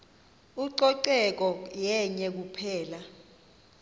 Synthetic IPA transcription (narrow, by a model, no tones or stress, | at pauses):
uǀɔǀɛk̬ɔjɛɲɛk̬upʰɛːla